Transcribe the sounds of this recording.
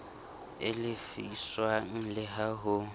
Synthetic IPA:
ɪlɪfiswaŋ̩lɪɦaɦʊ

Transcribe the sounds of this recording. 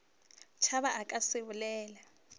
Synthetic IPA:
t͡ʃʰaβaʔakʼasɪβʊlɛːla

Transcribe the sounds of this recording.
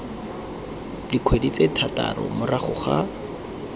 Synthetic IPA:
dikʰwedit͡setʰatʼa̰rɔ̰mʊraχʊχa

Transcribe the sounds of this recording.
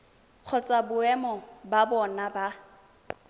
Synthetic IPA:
q͡χʰɔt͡sʼabʊɛmɔbabɔnaba

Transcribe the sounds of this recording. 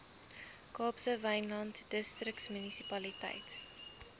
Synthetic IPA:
kɑːpsəvɐjnlɐntd̥əstrəktsmynisipɐlitɐ̰jt

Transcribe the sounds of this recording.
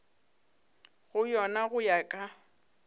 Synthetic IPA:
ɣʊjɔnaɣʊjakʼa

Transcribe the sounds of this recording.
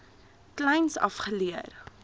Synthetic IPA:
klɛjnsɐ̰fχəliər

